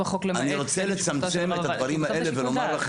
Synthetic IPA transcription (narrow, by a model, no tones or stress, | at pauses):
χoklaniʁo̞t͡sele̞t͡samt͡semett̪ad̪vaʁimhaʔe̞levelo̞maʁlaχ